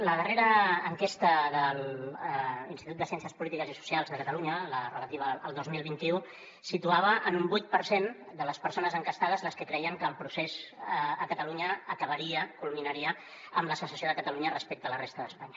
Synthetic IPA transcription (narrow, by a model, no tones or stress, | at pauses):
ləðəreɾəːŋkest̪əðəl | inst̪it̪ut̪əsjɛnsiəspulit̪ikəzisu̥sialˠzðəkət̪əluɲələrələt̪iβəəlˠd̪ozmilˠβint̪iu | sit̪uaβ̞əʔənumbujt̪̚pəɾsen | d̪ələspəɾsonəzəŋkəst̪aðəzləskəkɾɛjəŋkəlˠpɾusezːkət̪əluɲəːkəβəɾiəkulminəɾiə | əmləsəsəsioðəkət̪əluɲərəspek̚t̪ələrest̪əðəspaɲə